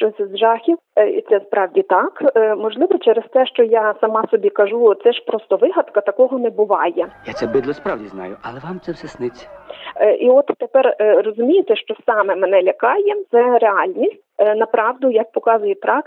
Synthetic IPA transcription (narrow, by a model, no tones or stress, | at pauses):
t͡ʃɔsʲzʒɑxʲiwḭt̪sɛspɾɑwdʲit̪ɑkmɔʒlˠɪʋɔt͡ʃɛɾest̪ɛʃt͡ʃɔjɑsɐmɑsɔbʲikɐʒut̪sɛʃpɾɔst̪ɔʋɪɦɐt̪kɐt̪ɐkɔɦɔnɛbʊʋɑjɛjat̪ɛbɪd̪lˠɔspɾɑwdʲiznɑ̰jʊɐlˠɛʋamt̪sɛwsɛsnɪt͡sʲi̥ʔiɔt̪ːepɛrrɔzʊmʲijɪt̪ɛʃt͡ʃɔsɑmɛmenɛlʲɐkɑjɛt̪sɛɾeɑlʲnʲisʲtʲnɐpɾɑwd̪ʊjɐk̚pɔkɑzʊjɛp̪ɾɑk